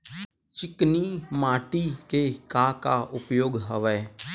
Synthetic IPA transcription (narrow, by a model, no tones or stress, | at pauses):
t͡ʃɪkniːmaːʈikekaːkaːʔʊpjoːɡɦəʋɛː